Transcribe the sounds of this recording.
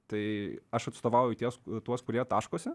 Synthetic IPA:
t̪ɐɪɐʃɐt̪st̪oːʋɑʊjʊt̪ʲiɛst̪uɔskʊɾʲiɛt̪ɑːʃkoːsʲɛ

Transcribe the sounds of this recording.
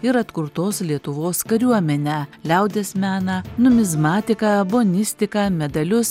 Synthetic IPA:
ɪɾɐt̪kʊɾt̪oːslʲiɛt̪ʊʋoːskɐɾʲuɔmʲɛnʲæːlʲɛʊd̪ʲeːsmʲæːnɐnʊmʲɪzmɑːt̪ʲɪkɑːboːnʲɪsʲt̪ʲɪkɐːmʲɛd̪ɐlʲʊs

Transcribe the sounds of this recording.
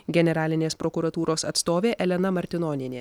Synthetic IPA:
ɡʲɛnʲɛɾɑːlʲɪnʲeːspɾɔkuɾɐt̪uːɾoːsɐt̪st̪oːʋʲeːʔɛlʲɛnɐmɐɾʲt̪ʲɪnɔːnʲɪnʲeː

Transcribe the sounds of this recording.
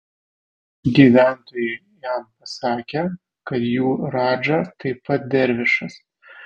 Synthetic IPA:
ɡʲiːʋʲæˑnt̪oːjɛɪ | jæmpɐsɑːkʲe | kɐt̪juːɾɑːd͡ʒɐt̪ɐɪpɐt̪̚d̪ʲɛɾʲʋʲɪʃɐs

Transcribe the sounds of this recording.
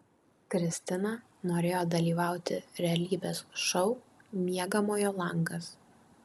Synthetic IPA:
kɾʲɪsʲt̪ʲɪnɐ | noːɾʲeːjoːd̪ɐlʲiːʋɑˑʊt̪ʲɪɾʲɛɐlʲiːbʲeːsʃɒʊmʲiɛɡɐmoːjoːlˠɐŋɡɐs

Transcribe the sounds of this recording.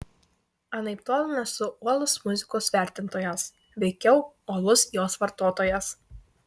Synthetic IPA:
ɐnɐɪpt̪oɔlʲˠɪnɐsʊuɔlˠʊsmʊzʲɪkoːsʋʲæˑɾʲt̪ʲɪnt̪oːjɛs | ʋʲɛɪkʲɛʊuɔlˠʊsjoːsʋɐɾt̪oːt̪oːjɛs

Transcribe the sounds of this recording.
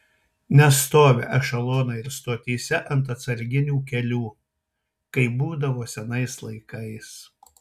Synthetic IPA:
nʲɛst̪oːʋʲeːʔɐʃɐlˠoːnɐɪɾst̪oːt̪ʲiːsʲɛʔɐnt̪̬ɐt̪sɐɾʲɡʲɪnʲuːkʲɛlʲuː | kɐɪbuːd̪ɐʋoːsʲɛnɐɪslˠɐɪkɐɪs

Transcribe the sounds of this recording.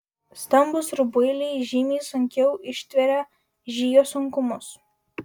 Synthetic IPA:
st̪ɐmbʊsɾʊbʊɪlʲɪʒʲɪmʲiːsʊŋʲkʲɛʊʔɪʃʲt̪ʲʋʲɛɾʲɛ | ʒʲiːjoːsʊŋkʊmʊs

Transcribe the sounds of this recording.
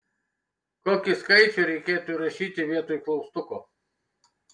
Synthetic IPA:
koːkʲɪskɐɪt͡ʃʲɛɾʲɛɪkʲeːt̪uɾɐʃʲiːt̪ʲɪʋʲiɛt̪uːjklˠɐʊst̪ʊkoː

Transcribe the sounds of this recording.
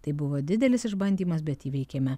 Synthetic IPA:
t̪ɐɪbʊʋoːd̪ʲɪd̪ʲɛlʲɪsɪʒbɐnʲd̪ʲiːmɐs̬bʲɛt̪iːʋʲɛɪkʲɛːmʲɛ

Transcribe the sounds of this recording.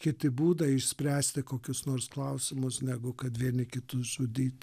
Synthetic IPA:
kʲɪt̪ʲɪbuːd̪ɐɪʃʲsʲpʲɾʲæːsʲt̪ʲɪkoːkʲʊsnoːrsklˠɐʊsʲɪmʊsnʲæɡʊkɐt̪ʋʲiɛnʲɪkʲɪt̪ʊʒʊd̪ʲiːt̪ʲ

